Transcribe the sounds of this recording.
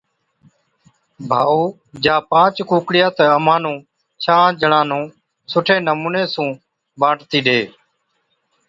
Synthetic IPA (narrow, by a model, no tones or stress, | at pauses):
bʱaːuː | d͡ʒãːpãːt͡ʃkũːkɽɪjaːt̪əəmãːnũː | t͡ʃʰãːd͡ʒəɳãːnũː | sʊʈʰeːnəmuːneːsũː | ɓãːʈt̪iːɗeː